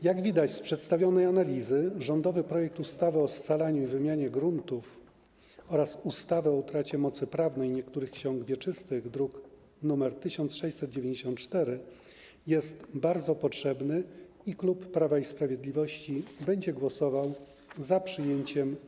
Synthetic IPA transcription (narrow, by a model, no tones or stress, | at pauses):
jaɡvʲid̪at͡ɕspʂɛt̪st̪avʲjɔnɛjanalʲizɘʐɔnd̪ɔvɘpɾɔjɛk̚t̪ust̪avɘɔst̪salaɲuivɘmʲjaɲɛɡɾunt̪uf | ɔɾasust̪avɛɔut̪ɾat͡ɕɛmɔt̪sɘpɾavnɛjɲɛkt̪uɾɘxkɕɔŋɡvʲjɛt͡ʂɘst̪ɘɣd̪ɾuk | numɛɾt̪ɘɕɔnt̪sʂɛjt͡ɕʲsɛtd̪̚d͡ʑevʲẽɲd͡ʑeɕɔnt̪t͡ʂt̪ɛɾɘ | jɛst̪baɾd̪zɔpɔtʂɛbnɘ | iklupːɾavaispɾavʲjed̪lʲivɔɕt͡ɕibɛɲd͡ʑɛɡwɔsɔvaw | zapʂɘjeɲt͡ɕɛm